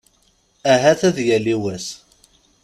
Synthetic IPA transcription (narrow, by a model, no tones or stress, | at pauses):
æɦæθæðjæliwæs